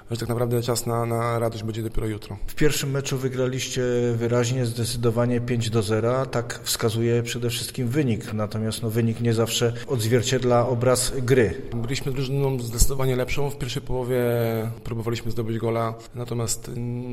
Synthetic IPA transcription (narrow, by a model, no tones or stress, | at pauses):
ʐɛt̪aknpɾavd̪ɛt͡ʂasnanaɾad̪ɔʑd͡ʑbɛɲd͡ʑɛd̪ɔpʲɛɾɔjut̪ɾɔfpʲjɛɾfʂɘmːɛt͡ʂuvɘɡɾalʲiɕt͡ɕɛvɘɾaʑɲɛzd̪ɛt̪sɘd̪ɔvaɲɛpʲjeɲd͡ʑd̪ɔzɛɾat̪akfskazujɛpʂɛd̪ɛfʂɘst̪̚kʲimvɘɲiknat̪ɔmʲast̪nɔvɘɲikɲɛzafʂɛɔd̪zvʲjɛɾt͡ɕɛd̪laɔbɾasɡɾɘbɘlʲiɕmɘzɾuʐnnɔ̃w̃zd̪ɛtsɨd̪ɔvaɲɛlɛpʂɔ̃w̃fpʲjɛɾfʂɛjpɔwɔvʲjɛpɾubɔvalʲiɕmɘzd̪ɔbɘd͡ʑɡɔla | nat̪ɔmʲjast̪